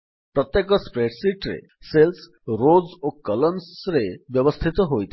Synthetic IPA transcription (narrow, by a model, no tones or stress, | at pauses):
pɾɔt̪jekɔspɾeʈsiʈɾḛ | sels | ɾod͡zokʌlɔnsɾebjʌbɔst̪ʰit̪ɔɦojt̪ʰ